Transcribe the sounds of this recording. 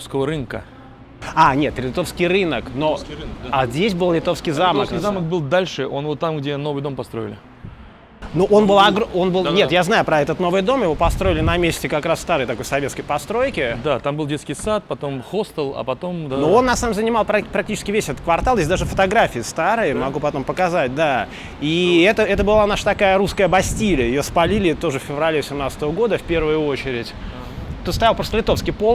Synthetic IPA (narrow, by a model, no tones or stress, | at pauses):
skəvəɾɨnkə̰ | anʲet̪ɾʲɪt̪o̞fskʲɪjrɨnəkno̞azʲdʲesʲbɨlˠlʲɪt̪o̞fskʲɪjzaməkskʲzamək̚bɨlˠd̪alʲʂɨʔo̞nvot̪ːamɡdʲeno̞vɨjd̪o̞mpɐst̪ɾo̞̰ɪ̰lʲɪ̰ | nuʔonbɨlˠɐɡɾonbɨlˠnʲet̪jaznajʊpɾɐɛt̪ət̪no̞vɨjd̪o̞mjɪvo̞pɐst̪ɾo̞ɪlʲɪnɐmʲesʲtʲɪkɐkɾasst̪aɾɨjt̪ɐko̞jsɐvʲet̪skəjpɐst̪ɾo̞jkʲɪd̪at̪ambɨlˠdʲeskʲɪjsat̪̚pɐt̪o̞mxost̪əlˠɐ̰pɐt̪o̞mnoo̞nːasnamzənʲɪmalˠpɾɐpɾɐktʲit͡ɕɪskʲɪvʲesʲɛt̪ə̥t̪̚kvɐrt̪alˠdes̬ʲd̪aʐɨfə̥t̪ɐɡɾafʲɪɪst̪aɾɨjəmɐɡupɐt̪o̞mpəkɐzat̚ʲd̪a | iɛt̪əɛt̪əbɨlˠanaʂət̪ɐkajəɾuskəjəbɐsʲtʲilʲɪjjɪjospɐlʲilʲɪt̪o̞ʐɨfʲfʲɪvɾɐlʲevəsʲɪmnat̪sət̪əvəɡo̞d̪əfpʲe̞rvɨjʊo̞t͡ɕɪɾʲɪtʲ | t̪ut̪st̪ɐjalˠpɾost̪əlʲɪt̪ofskʲɪjpolˠ